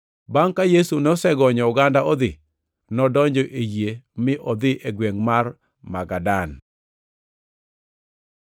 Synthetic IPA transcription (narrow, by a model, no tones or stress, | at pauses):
baŋkajesunosɛɡɔɲɔʊɡandaɔd̪ɪ | nɔdɔɲd͡ʒɔʔejemɪʔɔd̪ɪʔeɡweŋmar | maɡadan